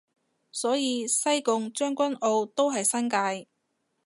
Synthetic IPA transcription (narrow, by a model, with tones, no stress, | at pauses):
sɔː˨˥jiː˨˧sɐ˥jkʊ˨ŋt͡ʃœː˥ŋkʷɐ˥no˧wt̪o˥wɦɐ˨jsɐ˥nkaː˧j